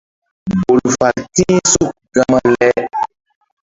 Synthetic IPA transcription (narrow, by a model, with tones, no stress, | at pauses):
bo˨lfa˨ltĩ˦su˦˨k̚ɡa˨ma˦lɛ˦